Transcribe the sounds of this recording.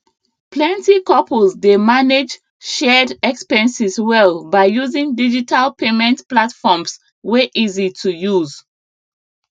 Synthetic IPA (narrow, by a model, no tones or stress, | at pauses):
plɛ̃ntikɔpəlsdemaned͡ʒ | ʃɛdɛkspɛ̃nsiswɛlbaɪjuzĩŋdid͡ʒitʰalpemɛ̃ntplatfɔms | weʔizitʰujuz